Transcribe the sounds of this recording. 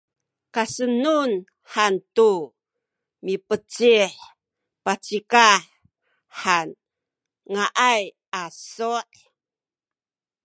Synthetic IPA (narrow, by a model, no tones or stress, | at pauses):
kasənun | ħantu | mipət͡siħ | pat͡sikaħ | ħan | ŋaʔaj | asoʔ